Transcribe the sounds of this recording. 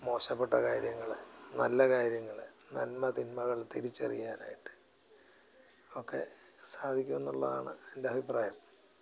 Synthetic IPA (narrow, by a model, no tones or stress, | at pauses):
mo̞ːɕɐpːeʈːɐkaːɾjɐŋːɐɭnɐlːɐkaːɾjɐŋːɐɭnɐlmɐt̪inmɐɣɐɭt̪iɾit͡ɕːɐ̰rḭjaːna̰ːjiʈːɨ̥ | o̞kːe̞̰ | saːd̪ʱikʲːume̞nːuɭːɐða̰ːɳɨe̞ndeɐbʱipraːjɐm